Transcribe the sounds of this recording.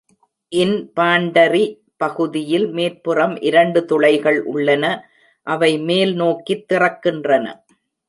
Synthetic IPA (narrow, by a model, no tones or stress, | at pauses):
ʔɪnpaːɳɖɐri | pɐɣɯðɪjɪlmeːɾpɯrɐmʔɪɾɐɳɖɯt̪ɔɭɐɪɣɐɭʔʊ̰ɭːɐnɐ | ʔɐʋɐɪmeːlnoːkit̪ːɪrɐkːɪndrɐnɐ̰